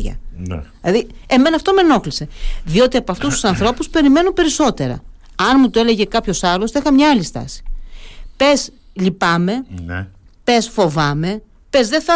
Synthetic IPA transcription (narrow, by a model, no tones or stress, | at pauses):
ʝɐ̰ilɐðie̞me̞nɐːft̪o̞me̞no̞xlise̞ðio̞t̪iɐpoɐft̪ust̪u̥sɐnθɾo̞puspe̞ɾime̞nupe̞ɾiso̞t̪e̞ɾɐ̰ | ɐnmut̪oe̞le̞ʝe̞kɐpço̞sɐlo̞st̪exɐmɲɐɐlist̪ɐ̰si̥pe̞s | ʎipɐme̞ | pe̞sfo̞vɐme̞ | pe̞zðe̞θɐ